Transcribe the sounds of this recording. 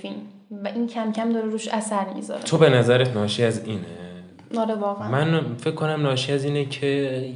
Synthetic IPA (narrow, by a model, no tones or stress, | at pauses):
finm | væʔincʰæmcʰæmd̪ɒːɾeɾuːʃæsæɾmḭzɒ̰ɾḛt̪ʰobe̞næzæɾet̪nɒːʃiæziːne | ɒɾevɒːɣemænfecʰkʰːonæmnɒːʃiæziːnecʰe